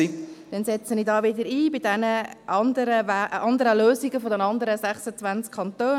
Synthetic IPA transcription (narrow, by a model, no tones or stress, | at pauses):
id̥ɛnsɛt͡sənidɑːʋɪd̪əɾiːbɪdɛnəʔɑnd̪əɾəæɑnd̪əɾəløːziɡəfodɛnɑnd̪əɾəsæχsət͡sʋænt͡skʰɑnt̪øː